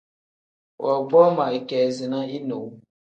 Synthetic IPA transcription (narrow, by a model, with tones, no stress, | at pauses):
wʔɔ˨ɡ͡bɔ˦mã˨i˨kɛ˨zi˨nã˦i˦no˨w